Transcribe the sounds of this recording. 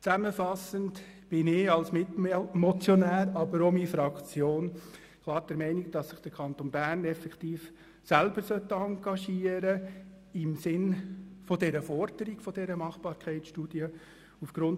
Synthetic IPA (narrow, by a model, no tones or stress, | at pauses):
t͡sæməfɑsənd | b̥ɪnɪɑlsmɪmɔt͡sjɔnæːɾɑbəɾomifɾɑkt͡sjoːn | kʰlˠɑːɾd̥ɛɾmɛɪniɡ̚d̥ɑsːɪχd̥əɾkʰɑnt̪onbæːrnɛfɛkt̪iːf | sælb̥əɾsœt̪ːəɑŋɡ̥ɑʃiːəɾə | ɪmsɪnfɔdɛɾəfɔɾd̥əɾiɡ̥fɔd̥ɛɾəmɑχb̥ɑːɾkχɛɪt͡sʃtud̥iə | ufɡ̥ɾʊn